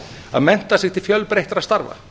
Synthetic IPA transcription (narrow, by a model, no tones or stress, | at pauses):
a̰ðmɛn̥t̪asɪɣt̪ʰɪlfjœlpɾejht̪aɾast̪aɾva̰